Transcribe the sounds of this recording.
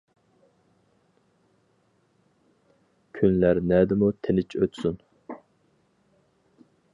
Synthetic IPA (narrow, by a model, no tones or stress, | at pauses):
kʲʰynlæɾnɛd̪ɪmut̪ʰenɪt͡ʃʰøt̪sun